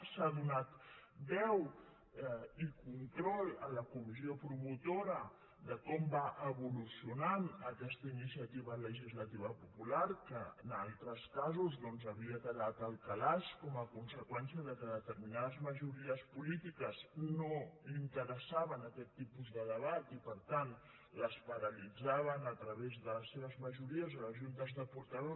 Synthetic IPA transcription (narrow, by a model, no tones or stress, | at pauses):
saðunat̪bɛw | ikunt̪ɾɔlə̰ləkumizjopɾumut̪oɾə | d̪əkɔmbaʔəβulusjunanəkɛst̪əinisiət̪iβələʒizlət̪iβəpupulaɾkəənalˠt̪ɾəskazuzðɔnzəβiət̪əɣat̪əlˠkəlaʃkɔməkunsəkwɛnsiəðəkəðət̪əɾminaðəzməʒuɾiəspulit̪ikəsnoint̪əɾəsaβənəkɛt̪ːipuzðəðəβat̪ipəɾt̪ant̪ | ləspəɾəlid͡zaβənət̪ɾəβezðələsːeβəzməʒuɾiəzðələʒunt̪əzðəpuɾt̪əðo